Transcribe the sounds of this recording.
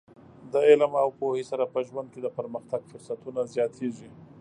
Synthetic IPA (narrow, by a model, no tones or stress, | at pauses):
d̪əɪlmawpohesaɾapəʒwand̪̚ked̪əpəɾməxt̪aɡfʊɾsat̪unazjɑt̪ʰeʐi